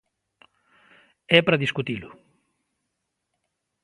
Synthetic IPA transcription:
ɛpɾɐðiskut̪ilʊ

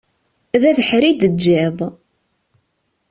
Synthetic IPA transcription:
ðævəħɾid̪əd͡ʒːɪðˤ

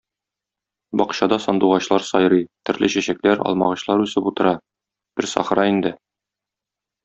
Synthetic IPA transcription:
bɒqɕɑd̪ɑsɒnd̪uʁɑɕlˠɑɾsɒjɾɤjt̪ɵ̆ɾlɘɕæɕæklæɾɒ̰lˠmɑʁɤ̆ɕlˠɑɾʉsɤput̪ɤ̆ɾɑ | b̥ɘɾsɒ̰χɾɑind̪ɘ

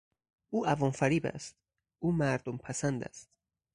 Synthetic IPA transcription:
ʔuːʔævɒnfæɾiːbæ̰st̪̚ | ʔuːmæɾd̪ompʰæsænd̪æ̰st̪

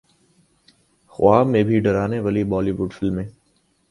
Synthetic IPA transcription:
xʊwaːmẽbʱiɖəɾaːneʋaːlibɔːliːʋʊɖfɪlmːẽː

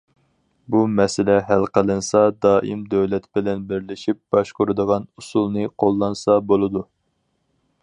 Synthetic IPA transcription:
bumɛsɪlɛɦælqəlˠɨnsɑd̪ɑːʔimd̪øwlɛt̪bɪlɛnbɪɾlɪʃip̚b̥ɑʃqoɾɨd̪əʁɑnusulˠnɨqʰolˠːɑnsɑbolˠɨd̪u

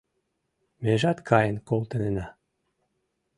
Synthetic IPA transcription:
meʒɑt̪kʰɑjənkolt̪ə̆nenɑ

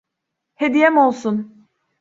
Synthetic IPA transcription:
hed̪ijɛmo̞lˠsun

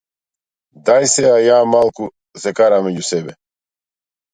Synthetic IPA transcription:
d̪ajsɛajaːmalˠku | zɛkaɾameɟusɛbɛ

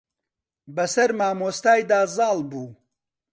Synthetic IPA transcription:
bɐsɐɾmaːmoːst̪aːjd̪aːzɑːlbuː

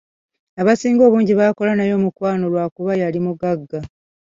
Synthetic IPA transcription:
aβasiːŋɡo̞ːβuːɲɟiβaːko̞lanajo̞ːmukwaːno̞lwaːkuβajalimuɡaɡːa

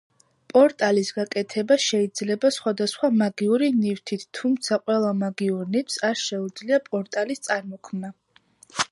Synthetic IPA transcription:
pʼɔɾt̪ʼalisɡakʼɛt̪ʰɛbaʃɛid̪zlɛbasχwad̪asχwamaɡiuɾinift̪ʰit̪ʰt̪ʰːumt̪sʰaqʼwɛlˠamaɡiuɾnipsaɾʃɛud̪zliapʼɔɾt̪ʼalist̪sʼaɾmɔkʰmna

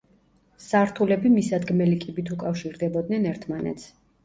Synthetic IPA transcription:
saɾt̪ʰulɛbimisad̪ɡmɛlikʼibit̪ʰukʼafʃiɾd̪ɛbɔd̪̚nɛnɛɾt̪ʰmanɛ̰t̪sʰ

